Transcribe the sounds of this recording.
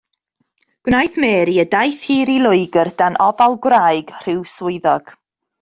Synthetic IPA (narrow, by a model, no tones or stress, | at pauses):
ɡ̥wnajθmɛːɾiədajθhiːɾilˠʊɨɡərd̥anʔɔvalˠɡwraːɨɡ̥r̥ɪwswʊɨðɔɡ̥